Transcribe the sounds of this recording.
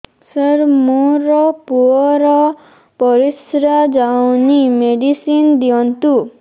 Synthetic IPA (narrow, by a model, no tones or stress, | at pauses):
səɾmoɾɔpuɔɾɔ | pɔɾisɾad͡ʒawnimeɖisind̪iɔnt̪u